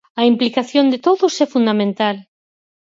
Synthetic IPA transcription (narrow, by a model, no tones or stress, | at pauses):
ɐimplikaθjond̪et̪oðʊsɛfund̪amẽnt̪al